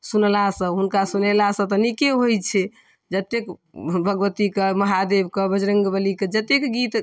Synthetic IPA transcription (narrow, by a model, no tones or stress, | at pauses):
sunlasə̃ɦunkasunelasə̃t̪ənikeɦojt͡ʃʰɛ | d͡ʒət̪ːek | bʱəɡʋət̪ikəməɦad̪ebkəbəd͡ʒɾəŋɡbəliked͡ʒət̪ːekɡit̪